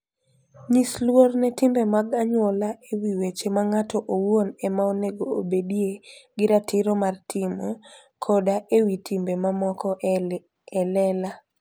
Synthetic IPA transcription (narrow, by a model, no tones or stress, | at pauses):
ɲislwornɛtimbemaɡaɲwolaewiwet͡ʃemaŋatʰɔʔowonɛmaoneɡoobedieɡɪɾatɪɾɔmartʰɪmɔ | kʰɔdaʔewitʰimbemamɔkɔ | ɛlɛla